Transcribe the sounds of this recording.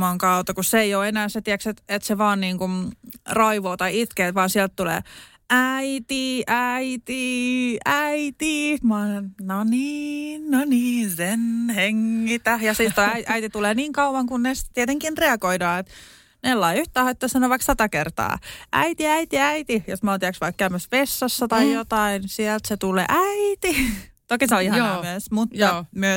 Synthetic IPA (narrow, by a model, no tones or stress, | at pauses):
ɑŋkɑut̪ɑkusseeijoːenæːset̪iɛkset̪et̪seʋɑːnniːŋkumrɑiʋoːt̪ɑiit̪keːt̪ʋɑːnsiɛlt̪t̪ulḛː | æit̪iʔæit̪iæit̪imɑnoniːnoniːnsenheŋːit̪æjɑsit̪t̪oæiʔæit̪it̪uleːniːŋkɑuʋɑŋkunnestt̪iet̪eŋkinreɑkoidɑːet̪ | nelːɑiyht̪ˑæːhɑet̪ːosɑnoʋɑiksɑt̪ɑkert̪ɑ̰ːʔæ̰it̪iæit̪iæit̪ijosmont̪iæksʋɑikkːæymæspesːɑsːɑt̪ɑijot̪ɑinsiɛlt̪set̪ulḛːʔæit̪it̪okːeseoihɑnɑmyøsmut̪ːɑmyø